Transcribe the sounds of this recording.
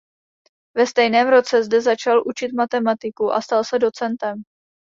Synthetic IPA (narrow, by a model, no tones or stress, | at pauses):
vɛst̪ɛjnɛːmɾo̞t͡sɛzdɛzat͡ʃalʔut͡ʃɪt̪mat̪ɛmat̪ɪkuʔa̰st̪alsɛdo̞t͡sɛnt̪ɛm